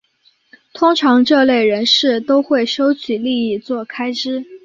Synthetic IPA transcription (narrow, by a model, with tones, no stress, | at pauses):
t̪ʰʊ˥ŋʈ͡ʂʰɑ˧˥ŋʈ͡ʂɤ˥˧le˥˩ɪɻə˧˥nʂɻ̩˥˩t̪o˥ʊxwe˥˩ɪʂo˥ʊt͡ɕʰy˨˩li˥˧i˥˩t͡swɔ˥˩kʰa˥ɪʈ͡ʂɻ̩˥